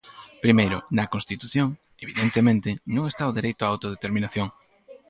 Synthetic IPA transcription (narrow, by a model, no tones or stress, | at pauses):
pɾimejɾʊ̰nɐkõnst̪it̪uθjoŋ | eβiðent̪emẽnt̪ɪnõŋest̪aoðeɾejt̪ʊaawt̪oðet̪eɾminaθjoŋ